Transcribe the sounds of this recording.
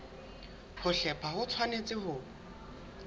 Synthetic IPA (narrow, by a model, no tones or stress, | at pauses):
hʊɬɛpʰahʊt͡sʰwanet͡sʼɪɦʊː